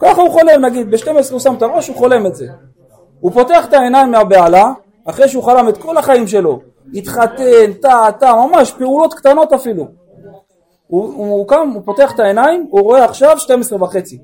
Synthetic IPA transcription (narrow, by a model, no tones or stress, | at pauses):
kaχauχo̞le̞mnaɡid̪̚beʃte̞mesʁeusamt̪aʁo̞ʃuχo̞le̞me̞tze | upo̞te̞aχet̪ae̞naimːeabealaː | χʁejʃeuχalame̞t̪ko̞laχaimʃe̞lo̞ | it̪χat̪ent̪at̪amamaʃpe̞ulo̞t̪kt̪ano̞t̪afilu | uukamupo̞te̞aχet̪ae̞naimuʁo̞eaχʃavʃte̞mesʁebaχe̞t͡si